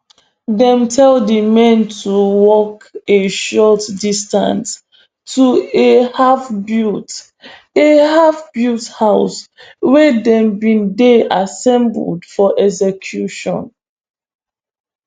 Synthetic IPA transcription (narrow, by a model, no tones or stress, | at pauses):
dɛ̃mtʰɛldimɛ̃ntʰuwɔkeʃɔtdistã̰ns | tʰuehafbut | ehafbjuthaʊswɛdɛ̃mbĩndeasɛ̃mbə̰ldfɔʔɛzɛkʰjuʃɔ̰̃n